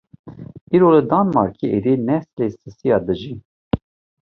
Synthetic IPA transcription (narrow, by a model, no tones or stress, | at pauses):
iːɾoləd̪ɑnmɑ̰ɾkʰiʔed̪inɛslesɨsijɑːd̪ɨʒi